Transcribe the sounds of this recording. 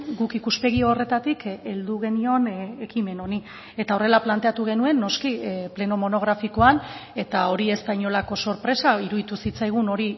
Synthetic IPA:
ɡukikuspe̞ɣ̞ioore̞t̪at̪ike̞ld̪uɣ̞e̞nio̞ne̞kime̞no̞ni | e̞t̪aore̞laplant̪e̞at̪uɣ̞e̞nue̞nːo̞skiple̞no̞mo̞no̞ɣ̞ɾafiko̞ane̞t̪ao̞ɾiest̪ajɲo̞lako̞so̞ɾpɾe̞saiɾuðit̪usit͡sajɣ̞uno̞ɾi

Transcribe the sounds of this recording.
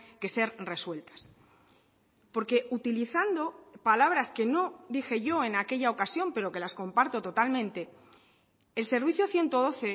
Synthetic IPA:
ke̞se̞ɾre̞swe̞lt̪ḁs | po̞ɾke̞ʔut̪iliθand̪o̞palaβ̞ɾaske̞no̞d̪ixe̞ʝo̞e̞nake̞ʎao̞kasjo̞mpe̞ɾo̞ke̞lasko̞mpaɾt̪o̞t̪o̞t̪almẽnt̪e̞ː | lse̞ɾβiθjo̞θje̞nt̪o̞ð̞o̞θe̞

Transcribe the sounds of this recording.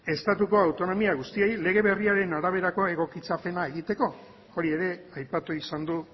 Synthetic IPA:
e̞st̪at̪uko̞awt̪o̞no̞miaɣust̪ie̞jle̞ɣ̞e̞βe̞riaɾe̞naɾaβ̞e̞ɾako̞e̞ɣ̞o̞kit͡sape̞nae̞ɣ̞it̪e̞ko̞ | o̞ɾie̞ɾe̞ajpat̪uisand̪u

